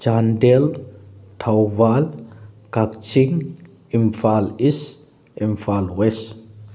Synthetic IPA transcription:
t͡ʃandelt̪ʰawvalkakt͡ʃiŋ | imfalis | imfalwes

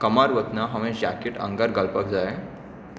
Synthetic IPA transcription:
kəmaɾʋət̪naɦaʋẽd͡ʑakeʈə̰ŋɡaɾɡəlpək̚d͡zae

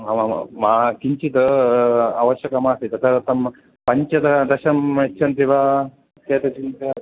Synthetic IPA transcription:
ama̰maːkiɲt͡ʃit̪ɐ | a̰ːʋɐʃjɐkɐmaːst̪it̪ɐt̪ʰɐt̪ɐm | pɐɲt͡ʃɐd̪ɐd̪ɐʃɐmet͡ʃʰɐnt̪iʋaː | t̪ːeːt̪ɐt͡ʃint̪ɐ

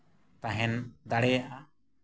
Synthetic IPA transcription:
t̪aɦɛnd̪aɽɛjaʔa

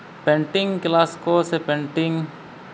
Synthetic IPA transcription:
b̥ɛɳʈɪŋkilaskosebɛɳʈɪŋ

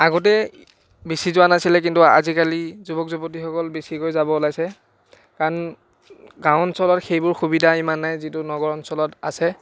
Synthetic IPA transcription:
aɡɔt̬ɛ | besizʊwanasilɛk̬intua̰zikalizubɔkzɔpot̬ixɔkɔlbesikojzabɔlajsɛ | kaɹɔn | ɡãwɔnsɔlɔtxejbʊɹxubidʱaimanːajzitʊnɔɡɔɹɔnsɔlɔta̰sɛ

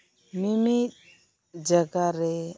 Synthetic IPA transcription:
mimi | d͡ʒaɡaɾɛ

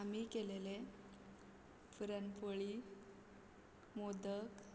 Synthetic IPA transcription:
amikelele | fəɾənpəɭi | mod̪ək

